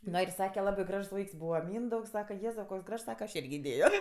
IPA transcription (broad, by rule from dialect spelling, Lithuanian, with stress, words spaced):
ˈnoː ɪr ˈsɑːkʲɛ ˈlˠɑːbɐɪ ˈɡrɐʃs ˈʋɐɪks ˈbuːʋɐ ˈmʲiːndɐʊks ˈsɑːkɐ ˈjeːzɐʊ koːks ˈɡrɐʃs ˈsɑːkɐ ɐʃ ˈɪrʲɡʲɪ ɪˈdʲeːjoː